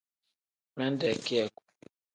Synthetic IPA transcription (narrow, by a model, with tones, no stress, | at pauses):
mɛ˦n̩˦dɛ˨ki˦ɛ˨ku̥˨